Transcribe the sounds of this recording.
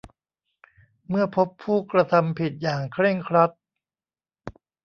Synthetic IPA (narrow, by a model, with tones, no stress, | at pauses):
mɯ˥˩ɐpʰo˦˥pʰːuː˥˩kɾa˧t̪ʰa˧mpʰi˨˩t̪̚jaː˨˩ŋkʰɾe˥˩ŋkʰɾa˦˥t̪̚